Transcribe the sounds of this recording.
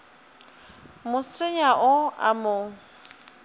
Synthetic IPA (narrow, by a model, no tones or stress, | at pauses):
mʊsɪɲaʔʊa̰mʊ